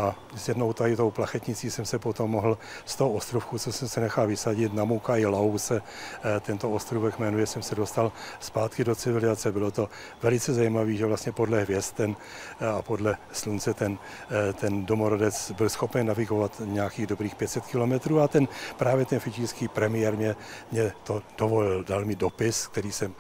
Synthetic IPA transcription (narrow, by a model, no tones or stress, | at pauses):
ʔa | zjɛdno̞wt̪ajɪt̪owplaxɛt̪ɲɪt͡siːsɛmsɛpot̪omːoɦl̩ | st̪oɦoost̪ɾufkuːt͡sosɛmsɛnɛxalvɪsaɟɪt̪namukaɪlawsɛ | t̪ɛnt̪oost̪ɾuvɛkmɛnujɛsɛmsɛdo̞st̪alspaːt̪kɪdo̞t͡sɪvɪlɪzat͡sɛbɪlo̞t̪o̞ | vɛlɪt͡sɛzajimaviːʒɛvlast̪ɲɛpo̞dlɛɦvjɛst̪ːɛn | apo̞dlɛslunt͡sɛt̪ɛn | t̪ɛndo̞moɾodɛt͡sbɪlsxo̞pɛɲnːavɪɡo̞vat̪ɲɛjakiːɣdo̞bɾiːxpjɛt̪sɛt̪kɪlo̞mɛt̪ɾuːat̪ɛnpɾaːvjɛt̪ɛnfɪt͡ʃiːrskiːpɾɛmɪjɛɾmɲɛmɲɛt̪o̞d̥ovo̞lɪldalmɪdo̞pɪsk̚t̪ɛɾiːsɛm